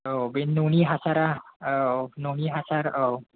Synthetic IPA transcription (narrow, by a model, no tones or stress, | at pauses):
obenuniɦasaɾaononiɦasaɾo